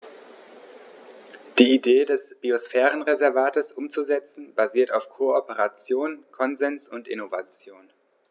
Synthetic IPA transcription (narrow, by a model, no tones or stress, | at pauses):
d̥iːideːdɛsb̥iosfɛːʁənʁezɛɐvaːtəsʔʊmt͡suzɛt͡sn̩b̥aziːɐtaʊfkʰoːɔpəʁ̞at͡sjoːnkʰɔnzɛnsʊntɪ̰nova̰t͡sjoːn